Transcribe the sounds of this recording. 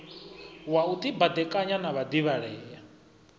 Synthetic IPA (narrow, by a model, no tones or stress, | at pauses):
waut̪ʼibad̪ɛkʼaɲanaβad̪iβaɺɛːja